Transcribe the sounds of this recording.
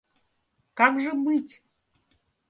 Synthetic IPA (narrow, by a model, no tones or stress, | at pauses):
kakʒəbɨtʲ